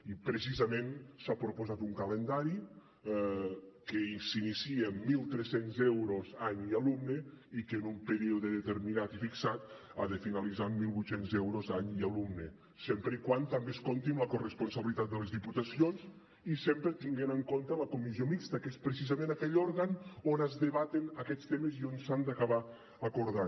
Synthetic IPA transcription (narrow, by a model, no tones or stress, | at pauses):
ipɾes̬izəmẽnsapɾopozat̪uŋkalend̪aɾi | keisinisiemːilˠt̪ɾesenzɛwɾozaɲialumne | ikenumpeɾiuðeðet̪eɾminat̪ifiksat̪ | aðefinalizammːilˠβujt̪senzɛwɾozaɲialumne | sempɾeikwant̪ambeskont̪imləkorespunsəβəlit̪at̪̚d̪əlezðiput̪əsionz | isempɾət̪iŋɡenəŋkont̪ələkumiziomikst̪əkespɾes̬izamẽnakɛʎɔɾɣanonəzðəβat̪enəkɛst̪emezionsand̪əkaβa | əkuɾðan